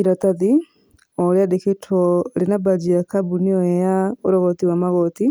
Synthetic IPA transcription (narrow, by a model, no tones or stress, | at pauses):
iɾat̪aði | ɔljadeketʰwɔlenabad͡ʒijakabuniɔjɛjaoɾɔɣɔt̪iwamaɣɔt̪i